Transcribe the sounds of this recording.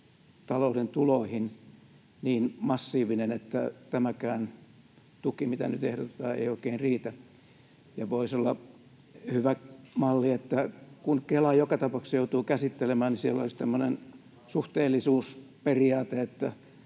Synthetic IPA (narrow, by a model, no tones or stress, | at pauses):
t̪ɑloudent̪uloihin | niːnmɑsːiːʋinenet̪ːæ̰t̪æmækæːn | t̪ukimit̪æ̰nyt̪ehdot̪et̪ɑːḛioikeːnriːt̪æ | jɑʋoisolːɑ | hyʋæmɑlːiet̪ːækunkelɑjokɑt̪ɑpɑksjout̪uːkæsit̪ːelemæːnnisielːo̰list̪æmːonen | suht̪eːlːisuːsperiɑːt̪eet̪ːæ